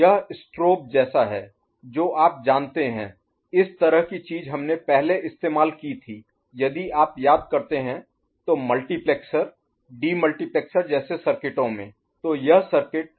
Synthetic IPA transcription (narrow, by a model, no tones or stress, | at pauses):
jɐɦɪsʈɾoːp̚d͡ʒɛːsaɦɛː | d͡ʒoːʔaːp̚d͡ʒãːnt̪eɦɛ̰̃ː | ɪst̪ɐɾəɦkit͡ʃiːzɦɐmnepɛɦleʔɪst̪eːmaːlkit̪ʰiː | jɐd̪iaːpjaːd̪̚kɐɾt̪eɦɛ̃ | t̪oːmɐlʈiplɛːksəɾ | ɖiːmɐlʈiplɛːksəɾd͡ʒɛːsesɐɾkɪʈõmḛ̃ | t̪oːjɐɦsɐɾkɪʈ̚